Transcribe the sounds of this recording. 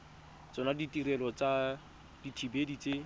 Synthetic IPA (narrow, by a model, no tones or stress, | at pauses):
t͡sɔnaditirɛlɔt͡sa | d̥itʰibedit͡se